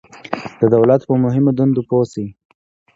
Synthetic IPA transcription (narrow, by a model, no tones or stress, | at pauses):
d̪əd̪awlat̪pəmʊɦɪmod̪und̪oposi